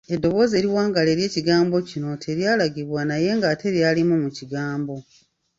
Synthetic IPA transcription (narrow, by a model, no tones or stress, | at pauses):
e̞dːo̞βo̞ːze̞ɾiwaːŋɡale̞ːɾje̞ːciɡaːmbo̞cino̞tʰe̞ɾjaːlaɡiβwanaje̞ŋɡate̞ɾjaːlimumuciɡaːmbo̞